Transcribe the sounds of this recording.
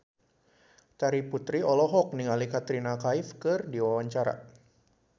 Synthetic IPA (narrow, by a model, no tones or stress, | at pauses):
t͡ʃ̪aɾiput̪ɾiɔlɔɦɔk̚niŋalikat̪ɾinakaifkɨrdiwawaɲt͡ʃaɾa̰